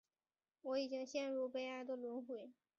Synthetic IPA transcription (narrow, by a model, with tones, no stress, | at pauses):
wɔ˧˥i˨˩t͡ɕi˥ŋɕjɛ˥˧nɻu˥˩pe˥ɪa˥˩d̪ə˧lwə˧˥nxwe˨˩˥ɪ